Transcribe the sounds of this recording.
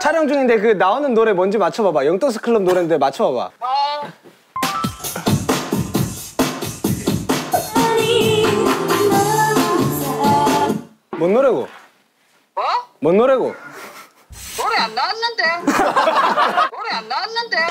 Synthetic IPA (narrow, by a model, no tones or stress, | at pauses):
t͡ɕʰaɾjʌŋd͡ʑuŋindek̬ɯnaonɯnːoɾe̞mʌnd͡ʑimat͡ɕʰʌbabajʌŋt͈ʌŋs̬ʰɯ̥kʰɯɭːɯmnoɾenndemat͡ɕʰʌbaba̰ | mʌnːoɾeɡo̰ | mʌnːoɾeɡo̰ | nnde | nde